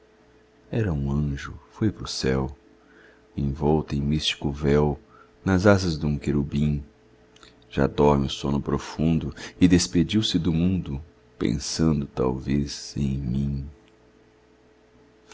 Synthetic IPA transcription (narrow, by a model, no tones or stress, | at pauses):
ɛɾɐũɐ̃ʒʊfojpɾʊsɛw | ẽj̃vɔwt̪ẽj̃mist͡ʃi̥kʊvɛw | nɐzazɐzd̪ũkeɾubĩ | ʒ̥a̰d̪ɔɾmɪʊsõnʊpɾofũnd̪ʊɪd̪esped͡ʒiwsɪd̪ʊmũnd̪ʊ | pḛ̃sɐ̃nd̪ʊt̪a̰wvez̥ẽj̃mĩ